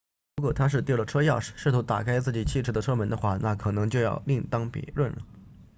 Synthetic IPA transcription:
ɻu˧˥kwɔ˨˩t̪ʰa˥ʂɻ̩˥˧t̪ji˥˩lə˩ʈ͡ʂʰɤ˥jɑ˥˩ʊʂɻ̩˨˩ʂɻ̩˥˩t̪ʰu˧˥t̪a̰˨˩kʰa˥ɪt͡sɹ̩˥˩t͡ɕi˨˩t͡ɕʰi˥˩ʈ͡ʂʰɤ˥d̪ə˧ʈ͡ʂʰɤ˥mə˧˥nd̪ə˧xwa̰˥˩na˥˩kʰɤ˨˩nɤ˧˥ŋt͡ɕjʊjɑ˥˧ʊli˥˩ŋt̪ɑ˥ŋpjɛ̰˧˥lwə˥˩nlə̰˩

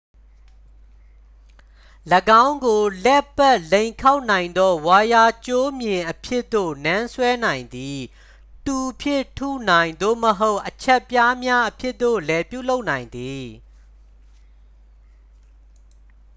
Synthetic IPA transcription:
ləɡã˦ʊ̃ŋɡo˨lɛ˦pːɛ˦˨ʔlẽ˨ɪ̃ŋkʰa˦ʊʔnã˨ɪ̃nd̪ɔ˦wa˨ja˦˨t͡ɕo˦mjɪ̃˨ʔəpʰjɪ˦ʔt̪ːo̰˦˨nã˦nsʰwɛ˦nã˨ɪ̃nd̪i˨ | t̪u˨pʰjɪ̃˦˨tʰṵ˦˨nã˨ɪ̃nd̪o̰˦˨məɦo˦ʊʔət͡ɕʰɛ˦ʔpja˦mja˦ʔəpʰjɪ˦ʔt̪o̰˦˨lɛ˨pjṵ˦˨lo˦ʊʔnã˨ɪ̃nd̪i˨

